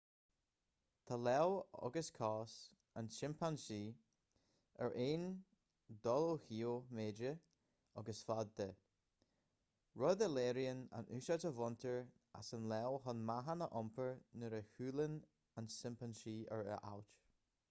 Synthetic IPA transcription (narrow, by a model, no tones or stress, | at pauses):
t̪ʰalɛwɔ̰ɡəskʰɔːs | anʃɪmpʰanʃiː | ə̰ɹʔeːn | d̪ɔlohiːomeːd͡ʒə | ɔɡəsfad̪ːə | ɹɔd̪əleːɾiəna̰nʉːʃatəvɔnt̪ʰəɹ | a̰sənlɛwɦɔnmaɦanəʔɔmpʰəɹnəɾəhʉːlən | ansɪmpanʃiːəɹə̰ʔa̰wt